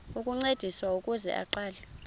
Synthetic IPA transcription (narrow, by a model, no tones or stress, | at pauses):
ukʼuŋ͡ǀed̥ʱiswaukʼuzɛ̰ʔa̰ǃaːlɛ